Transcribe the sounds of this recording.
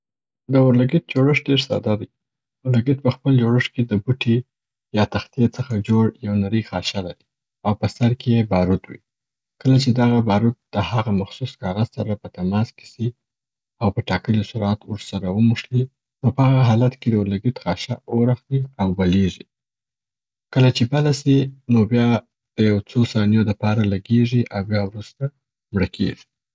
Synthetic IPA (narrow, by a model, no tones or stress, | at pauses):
d̪əʊɾlaɡɪt̪̚d͡ʒoɽəʂɖeɾsɑ̰d̪ɑd̪i | ʊɾlaɡit̪̚pəxpəld͡ʒoɽəʂked̪əbuʈi | jɑt̪axt̪ijet͡səxad͡ʒoɽjawnaɾəjxɑʃalaɾi | awpəsaɾkejebɑɾut̪wḭ | kəlat͡ʃed̪aɣabɑɾut̪̚d̪̥əhaɣamaxsuskɑɣazsaɾapət̪amɑskɪ̥si | awpəʈɑkəlisʊɾat̪wɾsaɾawəmuʂli | nopəhaɣaɦɑlat̪ked̪awɾlaɡit̪xɑʃaoɾaxwiawbaleʐi | kəlat͡ʃebalasinobjɑ | d̪̥əjawt͡sosɑnjod̪əpɑɾalaɡeʐiʔawbjɑwɾust̪a | mɽəkʰḛʐi̥